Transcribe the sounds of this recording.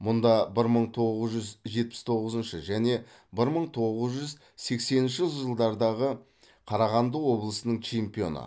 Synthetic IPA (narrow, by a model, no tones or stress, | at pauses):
mʊnd̪ɑbɪɾməɴt̪ʰo̞ʁəzʒʏzʒe̞t̪̚pɪ̥st̪ʰo̞ʁəzənʃəʒæne̞ | bɪɾməɴt̪ʰo̞ʁəzʒʏz | se̞kse̞nɪnʃɪʒəlˠd̪ɑɾd̪ɑʁə | qʰɑɾɑʁɑnd̪əwo̞blˠəsənəɴt͡ʃʰe̞mpijo̞̰nə̰